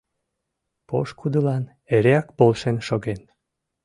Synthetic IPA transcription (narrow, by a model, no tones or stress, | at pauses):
po̰ʃkʰud̪əlɑn | eɾeɑkpolʃenʃoɣen